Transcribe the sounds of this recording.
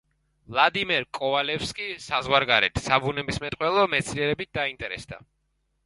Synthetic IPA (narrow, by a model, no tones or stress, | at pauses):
vlˠad̪imɛɾkʼɔvalɛpskʼisazʁwaɾɡaɾɛ̰t̪ʰsabunɛbismɛt̪ʼqʼwɛlˠɔmɛt̪sʰliɛɾɛbit̪̚d̪aint̪ʼɛɾɛ̰sd̪a̰